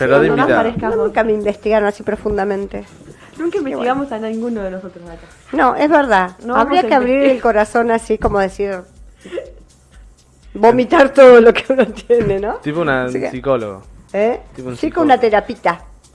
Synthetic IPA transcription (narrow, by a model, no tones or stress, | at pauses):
peɾoaðeat̪paɾekanonũŋkameimbest̪iɣaɾonasipɾo̞fund̪amẽ̞nt̪e | nũŋkaĩmbet̪iɣamosannĩŋɡunoðenosot̪ɾoɦðat̪a | no̞ʔezβeɾðanoaβɾiakeaβɾiɾelko̞ɾaso̞nasiko̞moðesiɾ | bo̞mit̪aɾt̪oðolo̞keaunat̪je̞nenõt̪ipounasikolo̰ɣo̰ | et̪iposikounat̪eɾapit̪a